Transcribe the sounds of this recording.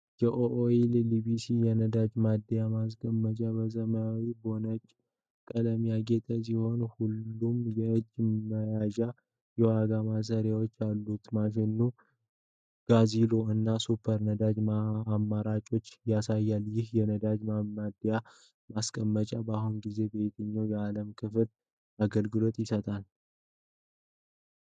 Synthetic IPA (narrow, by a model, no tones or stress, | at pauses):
jɛʔoʔoellibisijɛnəd̪ad͡ʒmad̪ːəjamas̬kʼəmːət͡ʃʼabəzəməjawibo̞nəd͡ʒ | kʼələmjaɡe̞t̪ʼəs̬iho̞nhulːumjɛɨd͡ʒːməjaʒa | jɛwaɡamas̬əɾjawot͡ʃːjalːut̪maʃ̬ɛnːu | ɡ̥azilo̞ɨnːasupʰːəɾnəd̪ad͡ʒmamːaɾat͡ʃʼo̞t͡ʃːjasajːaljɪhjɛnəd̪ad͡ʒmamːad̪ja | maskʼəmːət͡ʃʼabaɦunɡize̞be̞t̪ʰəɲːajɛaləmkʰɨfl | aɡəlɡɨlo̞t̪ʼjɪsət̪ʼal